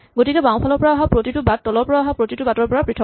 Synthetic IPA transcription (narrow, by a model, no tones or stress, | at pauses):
ɡotikɛbaw̃pʰalɔɹpɔɹaaɦapɹotitʊbat̚ːɔlɔɹpɔɹaaɦapɹotitʊbatɔɹpɔɹapɹitʰɔ